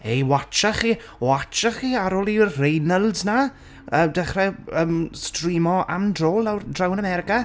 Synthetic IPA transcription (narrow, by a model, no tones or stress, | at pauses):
ejwat͡ʃaχiː | wat͡ʃaχiːaɾɔlˠirejnəlˠzna | ədɛχrɛəmstriːmɔa̰mdroːlˠawdrawnamɛɾɪka